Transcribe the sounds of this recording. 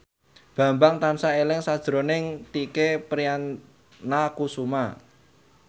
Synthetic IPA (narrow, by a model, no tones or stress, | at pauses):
b̥ä̤mbaŋt̪ansaelɪŋsad̥ʒ̥ɾo̤nɪŋt̪ikepɾianː | akusuma